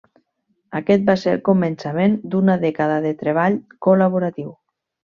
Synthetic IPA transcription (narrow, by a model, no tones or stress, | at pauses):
akɛt̪̚baselkomensamend̪unaðɛkaðaðet̪ɾeβ̞aʎkolaβoɾat̪iw